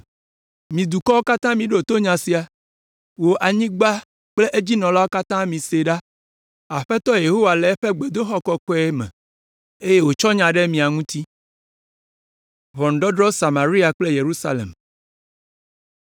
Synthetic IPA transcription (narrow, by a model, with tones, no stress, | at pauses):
mĩ˨d̪u˨kɔ˦wo˦ka˦t̪ã˦mĩ˨ɖo˦˨t̪o˦ɲã˨si˨a˨ | wo˨ʔa˨ɲĩ˦ɡ͡ba˦ | k͡ple˦ʔe˦d͡ʑi˦nɔ̃˨la˦wo˦ka˦t̪ã˦mĩ˨se˨ɖa˦ | a˨ɸɛ˦t̪ɔ˦je˨ɦo˦wa˨lɛ˨ɛ˦ɸe˦ɡ͡be˨d̪o˦xɔ˦kɔ˦kɔ˦ɛ˦mɛ̰̃˨ | e˦je˦wo˨t͡ʃɔ˦ɲã˨ɖɛ˦mĩ˨a˨ŋũ˦t̪i˦ | βɔ˨n̩˨ɖɔ˦ɖɾɔ˦sa˨mã˨ɾi˦a˨k͡ple˦je˨ɾu˦sa̰˦lḛ˨m